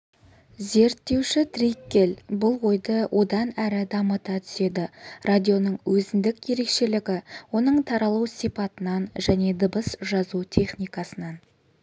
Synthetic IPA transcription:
ze̞ɾt̪ːe̞wʃɪt̪rijkʲːe̞lbʊlˠwo̞jd̪əwʔo̞d̪ɑnæɾɪd̪ɑmət̪ɑt̪ʰʏ̥se̞d̪ɪrad̪ʲijo̞nəɴwʔɵzɪnd̪ɪkje̞ɾe̞kʃe̞lɪɡʲɪwo̞n̪əɴt̪ʰɑɾɑlˠuwsijpɑt̪ənɑnʒæne̞d̪əbəsʒɑzut̪ʲʰe̞χnʲijkɑsənɑn

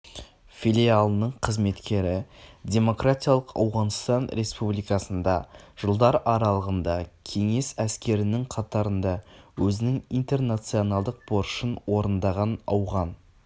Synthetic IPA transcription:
fʲilʲialˠənəɴqʰəzme̞t̪kʲe̞ɾɪdʲe̞mo̞kratʲijalˠəqɑ̰wʁɑnst̪ɑnɾʔe̞spublijkɑsənd̪ɑʒ̥əlˠd̪ɑɾʔɑɾɑlˠəʁənd̪ɑkʲʰe̞ŋe̞sæskʲe̞ɾɪnɪŋqʰɑt̪ɑɾənd̪ɑwɵzɪnɪŋijnt̪e̞rnat̪sio̞nalˠd̪əq̚bo̞ɾʃənwo̞ɾənd̪ɑʁɑnɑ̰wʁɑn

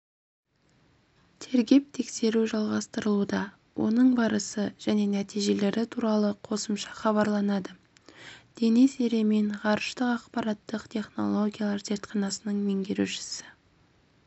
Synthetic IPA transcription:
t̪ʰe̞ɾɡʲe̞p̚t̪ʰe̞kse̞ɾuʒɑlˠʁɑst̪əɾəlˠud̪ɑ | wʔo̞̰nəɴbɑɾəsəʒ̥æne̞næt̪ijʒe̞le̞ɾɪt̪ʰuɾɑlˠəqʰo̞səmʃɑ̥χɑβɑɾlˠɑnɑd̪ə | d̪̥e̞niseɾe̞meɴʁɑɾəʃt̪əqɑqpɑɾɑt̪ːəqt̪ʰe̞χno̞̰lˠo̞ɡʲijalˠɑɾze̞ɾt̪qɑnɑsənəɴme̞ŋɡʲe̞ɾṵʃɪ̥sɪ̥

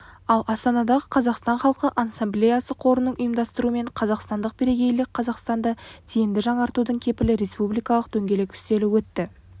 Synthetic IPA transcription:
ɑlˠɑst̪ɑnɑd̪ɑʁəqʰɑzɑqst̪ɑɴχɑlˠqəʔansɑmblʲejasəqʰo̞ɾənəɴʊjəmd̪ɑst̪əɾuəme̞ɴqʰɑzɑqst̪ɑnd̪əq̚b̥eɾe̞ɡʲe̞jlɪk̚qʰɑzɑqst̪ɑnd̪ɑt̪ʰejɪnd̪ɪʒɑɴɑɾt̪ud̪əɴkʲʰe̞pɪlɪɾe̞spublijkɑlˠəqd̪̥ɵŋɡʲe̞le̞kʲʰʏ̥st̪e̞lɪwɵt̪ːɪ

